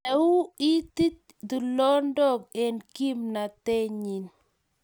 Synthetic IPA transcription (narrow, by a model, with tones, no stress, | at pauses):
ɛ˨u˦i˦t̪i˦t̪̚ | d̪u˨lɔ˦ndɔ˦k̚e˨nki˦mna˨t̪e˦ɲi˨n